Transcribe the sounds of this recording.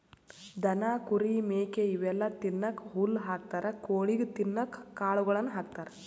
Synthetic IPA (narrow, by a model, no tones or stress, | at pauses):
d̪ɐnaːkuɾimeːkeiʋɛlːɐt̪inːɐkɦulːɦaːk̚t̪aːɾɐkoːɭiɡet̪inːɐkːaːɭuɡɐɭɐnːuɦaːk̚t̪aːɾɐ